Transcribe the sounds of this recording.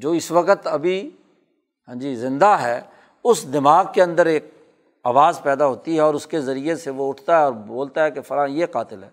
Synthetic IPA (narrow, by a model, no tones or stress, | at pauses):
d͡ʒoːɪsʋɐqət̪ɐbʱi | ɦãːd͡ʒiːzɪ̃nd̪aɦɛː | ʊsd̪ɪmaːɡ̚keɐ̃nd̪əɾeːk̚ | aːʋaːzpɛːd̪aɦoːt̪iɦɛɔːɾʊskezɐɾijeseʋoʊʈʰt̪aɦɛɔːɾboːlt̪aɦɛkefɐɾãːjeqaːt̪ɪlɦɛ̰ː